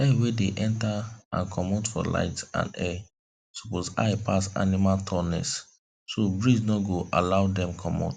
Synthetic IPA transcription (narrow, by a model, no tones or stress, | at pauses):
ɛwedeʔɛ̃ntaã̰nkʰɔmɔtfɔ̰la̰ɪtã̰nɛ | so̥posaɪpasa̰nimaltʰɔnɛ̰s | sobɹisnɔɡoʔa̰laʊdɛ̃mkʰɔmɔ̰t